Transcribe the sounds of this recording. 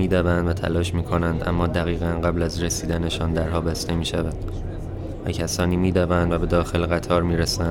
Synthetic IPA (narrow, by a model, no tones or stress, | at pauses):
iːd̪ævænd̪væt̪ʰæ̰lɒːʃmiːkʰo̞nænd̪ʔæ̰mːɒːd̪æɣiːɣænɢæblæzre̞siːd̪æne̞ʃɒːnd̪æɾɦɒːbæst̪e̞miːʃævæd̪̥ | væcʰæsɒːniːmiːd̪ævænd̪væbe̞d̪ɒːxe̞lɣæt̪ʰɒːɾmiːɾæsæn